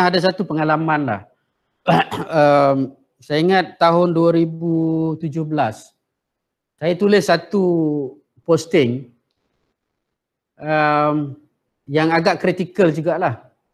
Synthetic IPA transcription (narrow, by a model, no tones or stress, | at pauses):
ahɦadas̬at̪upəŋalamanla̰h | əm | sajaiŋat̪ːaɦʊnduaɾibut̪ud͡ʒʊhbəlas | sajat̪ulɪsːat̪u | pɔst̪ɪŋ | əm | jaŋaɡaʔkɾit̪ikəld͡ʒuɡaʔlah